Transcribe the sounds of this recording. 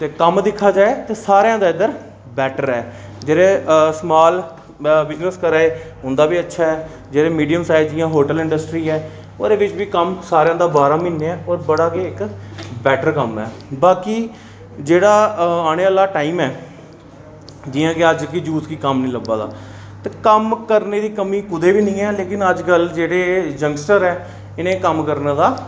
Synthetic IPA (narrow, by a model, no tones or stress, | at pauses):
t̪eːkəmd̪ɪkʰːaːd͡ʒaːeːt̪eːsaːɾejãːd̪aːɪd̪əɾ | bɛːʈəɾɛː | d͡ʒeːɾeːsmaːl | bɪznəskəɾaːeː | ʊ̃nd̪aːbiːətːʃʰaːɦɛː | d͡ʒeːɾeːmiːɖijəmsaːɪd͡ʒd͡ʒɪjãːɦoːʈəlɪ̃ɳɖəsʈɾiːɛː | o̰ːd̪eːʋɪt͡ʃbiːkəmsaːɾeãːd̪aːbaːɾãːmɪːnːeːɛ̃ːoːɾbəɽaːkeːɪkbɛːʈəɾkəmɛ̰ːbaːkiː | d͡ʒeːɽaːaːɽ̃eːaːlaːʈaːiːmɛː | d͡ʒiːãːkeəd͡ʒkid͡ʒuːskiːkəmnĩːləbaːd̪a̰ː | t̪eːkəmkəɾneːd̪iːkəmiːkʊd̪eːbiːnĩːɛːleːkɪnəd͡ʒkəld͡ʒeːɽeːd͡ʒəŋɡsʈəɾɛː | ɪnẽːkəmkəɾnãːd̪aː